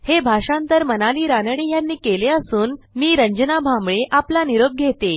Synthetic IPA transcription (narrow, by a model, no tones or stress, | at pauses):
hebʱaʂãnt̪əɾmənaliːɾanəɽijanːiːkeleəsuːnmiːɾəɲd͡ʑənabʱambɭeʔaplaniɾoɡ̚ɡʱet̪e